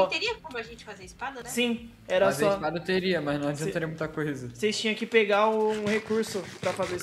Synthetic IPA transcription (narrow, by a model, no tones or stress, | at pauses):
t̪eɾiɐkõmʊɐʒẽnt͡ʃɪ̥fazeɾispad̪ɐnsĩ | ɛɾɐsɔsad̪ɐt̪eɾiɐmɐznɐ̃w̃ad͡ʒiɐ̃t̪aɾiɐmũt̪ɐkojzɐsejst͡ʃĩɲɐ̃kɪpeɡaũũhekuɾsʊpɾɐfaze